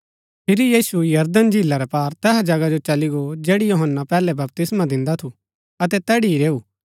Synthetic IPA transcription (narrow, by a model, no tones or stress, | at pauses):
pʰɪɾijiːsujɐɾd̪ənd͡ʒʱilaɾɛpaːɾt̪ɛːɦad͡ʒɐɡad͡ʒot͡ʃɐliɡod͡ʒeːɽijoːɦənːapɛːlɛbɐp̚t̪ɪsmad̪ɪ̃nd̪at̪ʰu | ɐt̪ɛt̪ɛːɽiiɾeːuː